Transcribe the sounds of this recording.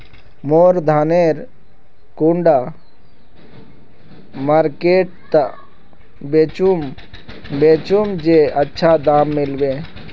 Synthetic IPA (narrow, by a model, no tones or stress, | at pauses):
moːɾd̪ʱaneɾ | kuɳɖa | maɾkeːʈ̚t̪ə | bet͡ʃum | bet͡ʃumd͡ʒeətːʃʰad̪aːmːɪlbeː